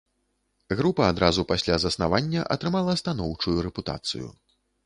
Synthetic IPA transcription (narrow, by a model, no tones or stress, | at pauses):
ɣɾupɐːd̪ɾazupasʲlʲazɐsnavanʲːɐʔɐ̰t̪ɾɨmalˠɐst̪anɔwt͡ʂujuɾɛput̪a̰t̪sɨ̰jṵ